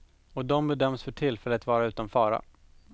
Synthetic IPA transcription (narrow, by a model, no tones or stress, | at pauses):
ɔd̪ɔmbɛd̪œmːsfœʈʰɪlːfɛlːəat̪vɑːɾaʉ̟ːt̪ɔnfɑːɾa̰